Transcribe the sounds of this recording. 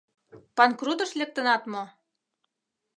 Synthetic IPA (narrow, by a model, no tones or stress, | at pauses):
pɑnkrut̪ɤ̆ʃlʲĕk̚t̪ə̆nɑt̪mŏ